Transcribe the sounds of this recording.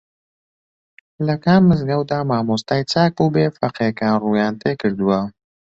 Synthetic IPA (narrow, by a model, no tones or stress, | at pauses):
lakaːmːəzɡawd̪aːmaːmost̪ajt͡saːk̚pubeːfaqeːkaːnɾujaːnt̪ekəɾd̪uwa